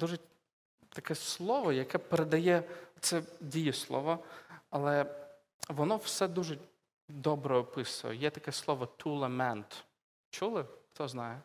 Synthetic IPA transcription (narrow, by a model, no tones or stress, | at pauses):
d̪̥uʒe | t̪ɐkɛslˠɔʋɔjɐkɛpeɾed̪ɐjɛt̪sɛdʲijɪslˠɔ̰ʋɔɐlˠɛ | ʋɔnɔwsɛd̪uʒe | d̪ɔbɾɛɔpɪsɐʋɔ̰jɛt̪ɐkɛslˠɔʋɔt̪ʰulˠemɛnt̪ | t͡ʃulˠɪxt̪ɔznɑjɛ